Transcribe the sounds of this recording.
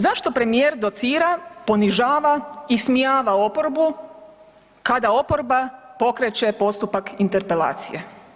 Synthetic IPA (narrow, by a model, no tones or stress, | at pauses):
zaʃt̪o̞pɾe̞mijeɾd̪o̞t̪siːɾapo̞niʒaːʋaismijaːʋao̞po̞ɾbu | kad̪ao̞po̞ɾbapo̞kɾet͡ɕe̞po̞st̪upakint̪e̞ɾpe̞la̰ːt̪sḭje